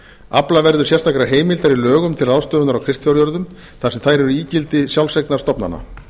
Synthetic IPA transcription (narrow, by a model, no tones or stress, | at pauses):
aplavɛɾðʏɾ̥sjɛst̪ʰakɾaɦeːjmɪlt̪aɾilœːɣʏmt̪ʰɪlɾaðst̪œːðʏnaɾawkʰɾɪst̪fjɔwɾjɔɾðʏm | θasɛmθajɾɛɾʏiːcɪlt̪ɪsjawlsɛjknaɾ̥t̪ɔpna̰na̰